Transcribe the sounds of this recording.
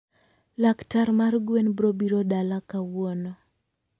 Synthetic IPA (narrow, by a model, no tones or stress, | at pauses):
laktaɾmarɡwenbɾobiɾodalakawɔno